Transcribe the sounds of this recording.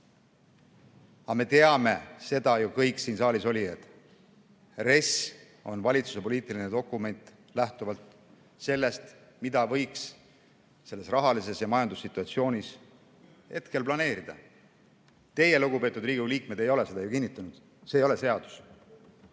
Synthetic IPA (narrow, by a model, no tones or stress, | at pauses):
ɑme̞t̪e̞ɑme̞se̞d̪̥ɑjukɤjksiːnsɑːliso̞lʲiet̪ˑ | re̞s | o̞nvɑlʲit̪su̥se̞po̞lʲiːt̪ːˑilined̪o̞kːˑume̞nʲt̪ˑ | læht̪uvɑlt̪ | se̞lːe̞st̪ | mid̪̥ɑvɤ̞jks | se̞lːe̞srɑɦɑlise̞sjɑmɑjɑnd̪usːit̪ːˑuɑt̪sio̞ːnʲis | he̞t̪ke̞lplɑne̞ːɾid̪̥ɑ̰ | t̪e̞je̞luɡ̥upe̞ːt̪ːˑud̪riːɡuliːk̚me̞d̪e̞jo̞le̞se̞d̪ɑjukinʲːit̪ˑːunud̪̥ | seːjo̞le̞se̞ɑd̪̥u̥s